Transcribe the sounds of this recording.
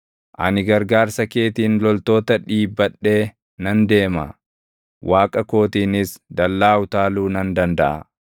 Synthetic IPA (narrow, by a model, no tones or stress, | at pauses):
ʔɐ̰nɪɡɐɾɡaːɾsɐke̞ːt̪iːnlɔlt̪o̞ːt̪ɐᶑiːbːɐɗːe̞ː | nɐnd̪e̞ːmɐ̰ | wʔaːkʼɐko̞ːt̪iːnɪsd̪ɐlːaːwʊt̪aːluːnɐnd̪ɐnd̪ɐʔɐ̰